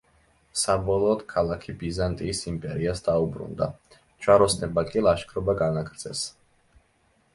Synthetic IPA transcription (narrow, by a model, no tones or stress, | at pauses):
sabɔlˠɔːd̪̥kʰalˠakʰibizant̪ʼiːsimpʼɛɾiasd̪aubɾṵnd̪a̰ | t͡ʃʰwaɾɔsnɛbakʼilˠaʃkʰɾɔbaɡanakʰɾd̪zɛ̰s